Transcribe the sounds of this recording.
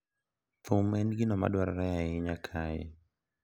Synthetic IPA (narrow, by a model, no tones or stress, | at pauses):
tumɛnɡinɔma̰ɗwaɾaɾajaiɲakʰajɛ̰